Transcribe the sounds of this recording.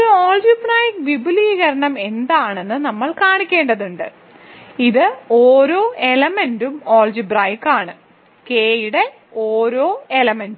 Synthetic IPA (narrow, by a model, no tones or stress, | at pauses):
oɾuoːɭd͡ʑibraːjkʋibʱuliːɣɐɾɐɳɐme̞nd̪aːɳe̞nːɨnɐmːɐɭkaːɳikʲːe̞ːɳɖɐðuɳɖɨ | iðɨoːɾo̞ːe̞lɐmendumoːɭd͡ʑubraːjkːaːɳɨ | keːjuɽe̞ | oːɾo̞ːe̞lɐmend